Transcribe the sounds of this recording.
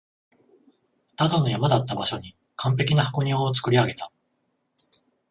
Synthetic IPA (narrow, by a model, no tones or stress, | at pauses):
t̪ad̪ono̞jamad̪at̪ːabaɕo̞ɲ̟i | kʰãmp̬e̞kʲinahako̞ɲ̟ioːt͡sɨ̥kɯ̟ɾʲiaɡe̞t̪a